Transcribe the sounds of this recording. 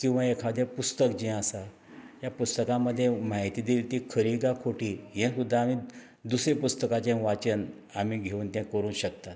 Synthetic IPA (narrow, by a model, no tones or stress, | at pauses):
kĩw̃ʋaekʰad̪ʱjepust̪əkd͡ʑĩasa | japust̪əkãməd̪ʱːjemaɦit̪iːd̪iːlt̪iːkʰəɾiɡakʰoʈiːɦẽsud̪ʱːaːmi | d̪usɾepust̪əkat͡ɕẽʋat͡ɕən | amiːɡʱeuːnt̪ãkəɾuːnɕəkt̪at̪̚